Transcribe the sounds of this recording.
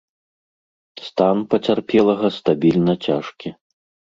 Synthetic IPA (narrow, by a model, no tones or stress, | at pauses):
st̪anpɐt͡sʲarpʲɛlˠɐɣɐst̪abʲilʲnɐt͡sʲaʂkʲi